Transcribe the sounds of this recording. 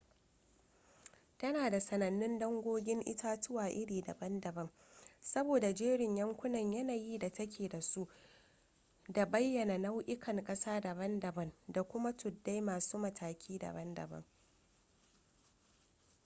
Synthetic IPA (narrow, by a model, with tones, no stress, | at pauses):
tɐ˦naː˨da˨sɐ˨nɐ˨nːɪ˦ndɐ˦ŋɡʷoː˦ɡʲɪ˦ŋʔɪ̰˦taː˦tʊ˦waː˨ʔɪ˦ɽiː˨dɐ̰˨bɐ˦ndɐ˨bɐ˦m | sɐ˦boː˨da˨d͡ʒeː˦ɽɪ˨ɲjɐ˦ŋkʷʊ˦nɐ˨ɲjɐ˦naː˨jiː˦da˨tɐ˦kʲʰeː˨da˨su˦ʔ | da˨bɐ˦jːɐ˨na˨na˦wʔɪ˦kɐ˨ŋkʼɐ˦saː˦da˨bɐ˦ndɐ˨bɐ˦nda˨kʷʊ˦ma˦tʊ˨dːa˦jmaː˨suː˦mɐ˨tʰaː˨kʲʰiː˦dɐ̰˨bɐ˦ndɐ̰˨bɐ̰˦ŋ